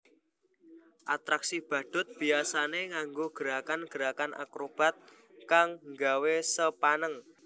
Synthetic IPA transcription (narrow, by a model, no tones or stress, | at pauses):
ʔat̪ɾaksib̥ä̤ɖ̪̥ʊ̤t̪̚b̥iasaneŋaŋɡoɡ̥əɾakanɡ̥əɾakanʔa̰kɾob̥a̤t̪̚ | kaŋŋɡawesəpanəŋ